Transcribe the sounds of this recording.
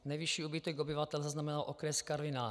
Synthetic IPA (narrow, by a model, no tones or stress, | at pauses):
nɛjviʃiːubit̪ɛɡobɪvat̪ɛlzaznamɛnalʔokɾɛskaɾvɪnaː